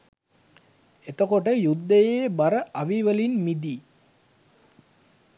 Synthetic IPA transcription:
et̪əkoʈəjud̪ːəjeːbaɾəʔaʋiʋəlinmid̪iː

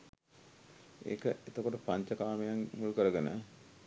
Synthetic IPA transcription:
ḛːkəet̪okoʈəpaɲt͡ɕəkaːməjaŋmulukəɾəɡənə

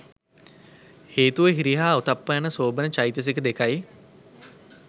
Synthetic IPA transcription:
heːt̪uʋəɦiɾiɦaːut̪apːəjanəsoːbənət͡ʃajt̪əs̬ekəd̪ekaj

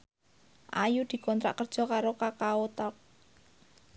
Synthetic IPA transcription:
ʔajud̪̥i̤kɔnt̪ɾa̰ʔkərd̥ʒ̥ɔ̤kaɾokakaot̪ak̚

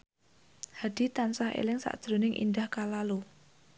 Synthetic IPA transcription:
had̥i̤t̪ansahʔḛlɪŋsa̰ʔd̥ʒ̥ɾo̤nɪŋʔḭndahkalalu

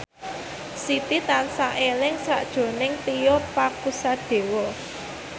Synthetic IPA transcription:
sit̪it̪ansaʔelɪŋsa̰ʔd̥ʒ̥o̤nɪŋt̪ijɔpakusad̪̥e̤wɔ

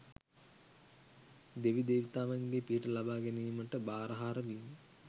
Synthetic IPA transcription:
d̪eʋid̪eːʋit̪aːʋaŋɡeːpiəʈəlabaːɡɛniːməʈəbaːɾəɦaːɾəʋi

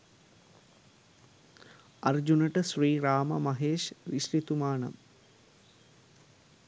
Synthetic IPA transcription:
ɐrd͡ʒunəʈəʃriːɾaːmɐmɐɦeːʃʋiʃɾit̪umaːnɐ̰m

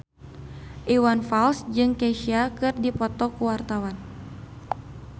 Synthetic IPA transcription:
ʔiwanfalsd͡ʒɨŋkɛʃiakɨrdipɔt̪ɔkuwart̪awan

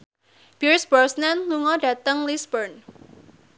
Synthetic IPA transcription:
b̥iɹsbɔsnanluŋɔdä̤t̪əŋlisbərn

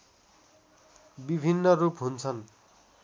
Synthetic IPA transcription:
bibʱinːʌrupɦunt͡sʰʌn

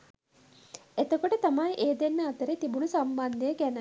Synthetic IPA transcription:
et̪əkoʈət̪amajʔeːd̪enːəat̪əɾet̪ibunusamband̪ejəɡænə

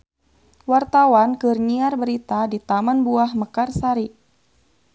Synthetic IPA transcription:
wart̪awankɨrniarbəɾit̪adit̪amanbuahməkarsaɾi

